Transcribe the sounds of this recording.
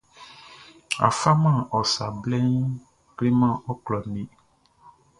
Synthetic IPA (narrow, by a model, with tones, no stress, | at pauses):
a̰˨fa˦mã˦˨ʔɔ˨sa˨blɛ˦ŋ˦ | kle˦mã˦˨ɔ˦klɔ˨nĩ˦